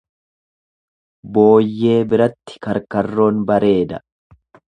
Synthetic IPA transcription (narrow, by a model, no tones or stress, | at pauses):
bo̞ːjːe̞ːbɪɾɐt̪ːɪ̥kɐɾkɐrːo̞ːnbɐɾe̞ːd̪ɐ